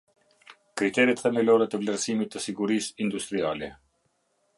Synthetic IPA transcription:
kɾit̪ɛɾit̪θɛmilɔɾɛt̪əvlɛɾsimit̪ːəsiɡuɾisind̪ust̪ɾialɛ

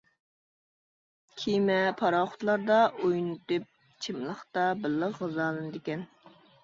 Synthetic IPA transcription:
kʲʰimɛpʰɑɾɑχʊ̥t̪lˠɑɾd̪ɑʔojnut̪ɨp̚ | t͡ʃʰɪmlˠəχt̪ɑbɪlːɑzʁɑzɑːlˠɨnɨd̪ekʲɛn

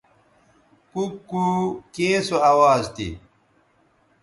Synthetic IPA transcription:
kukːukẽːsoɐwaːzt̪ḭ

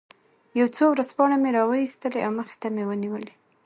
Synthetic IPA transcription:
jawt͡sowɾazpɑɳameɾɑwəist̪əleʔawməxɪ̥t̪amewəniwəle

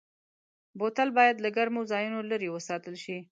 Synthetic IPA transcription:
bot̪albɑjad̪laɡaɾmowzɑjunoləɾewəsɑt̪əlʃi

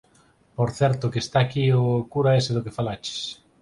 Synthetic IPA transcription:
poɾθɛɾt̪ʊkest̪aːkiokuɾaeseðʊkefalat͡ʃe̥s

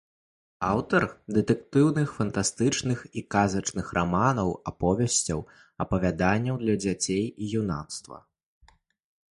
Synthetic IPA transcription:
awt̪ɐrd̪ɛt̪ɛk̚t̪ɨwnɨxfɐnt̪ast̪ɨt͡ʂnɨxikazɐt͡ʂnɨxrʔamanɐwapɔvʲɛsʲt͡sʲɐ̰w | ɐpɐvʲad̪anʲːɐwd̪lʲɐd͡zʲat͡sʲejijuna̰t̪st̪vɐ̰

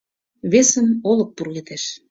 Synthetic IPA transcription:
βesə̆nolɤ̆k̚purɣet̪eʃ

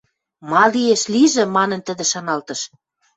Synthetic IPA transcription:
mɑlieʃliʒĕmɑnə̆nt̪ə̆d̪ĕʃɑnɑlt̪ɤ̆ʃ

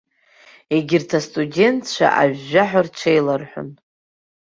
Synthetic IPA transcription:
eɡʲɪrtʰastʼudʲe̞ntʰʃʷʰa̰ʔaɥːaħʷᶣart͡ʃʷʰejlarħʷʊ̰n

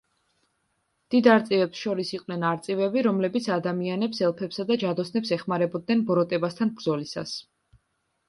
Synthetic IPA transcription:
d̪̥id̪aɾt̪sʼivɛpsʃɔɾisiqʼnɛnaɾt̪sʼivɛbiɾɔmlɛbit̪sʰad̪amianɛpsɛlˠpʰɛpsad̪ad͡ʒad̪ɔsnɛpsɛχmaɾɛbɔd̪̚nɛnbɔɾɔt̪ʼɛbast̪ʰanbɾdzɔlisa̰s

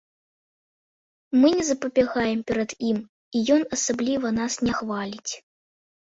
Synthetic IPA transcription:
mɨnʲɛzɐpɐbʲaɣajɛmpʲɛɾɐd̪im | ijɔnɐsablʲivɐnasnʲɛxvalʲit͡sʲ

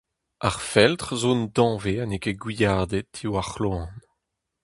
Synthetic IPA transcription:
aʁfɛlt̪ʁzõnd̪ɑ̃veanekeɡwijaːd̪et̪ʰiwaχloɑ̃n

